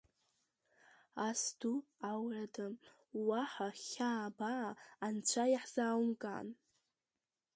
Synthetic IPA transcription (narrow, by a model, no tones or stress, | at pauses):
asduawradam | waħaχʲaːbaːnt͡ɕʷʰajaħz̥aːwmkʼa̰n